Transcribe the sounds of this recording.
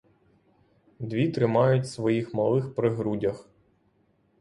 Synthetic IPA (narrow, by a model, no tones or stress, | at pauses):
d̪ʋʲit̪ɾɪmɑjʊtʲsʋɔjixmɐlˠɪxpɾɪɦɾudʲɐx